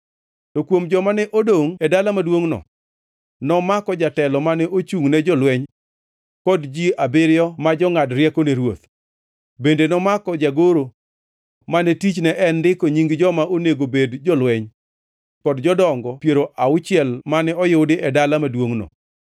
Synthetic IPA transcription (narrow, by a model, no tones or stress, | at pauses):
tɔkwomd͡ʒɔmanɛʔodoŋɛdalamadwoŋnɔ̰ | nɔmakɔd͡ʒatɛlɔmanɛʔot͡ʃuŋnɛd͡ʒɔlwɛɲ | kɔdd͡ʒiabeɾɪjɔmad͡ʒɔŋadɾjɛkɔneɾwot̪ | bendenɔmakɔd͡ʒaɡoɾo | manɛtit͡ʃnɛʔɛndɪkoɲiŋɡd͡ʒɔmaoneɡobedd͡ʒɔlwɛɲ | kɔdd͡ʒɔdɔŋɡɔpjeɾoʔaʊt͡ʃɪɛlmanɛɔjodɪʔɛdalamadwoŋnɔ̰